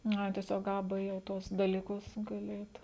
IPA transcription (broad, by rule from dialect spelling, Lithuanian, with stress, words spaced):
nʊ ˈɐɪ tʲiɛˈsʲoːk ˈɐ ˈbɘ jɛʊ ˈtuɔs dɐlʲɪˈkʊs ɡɐˈlʲɪ ˈɛɪt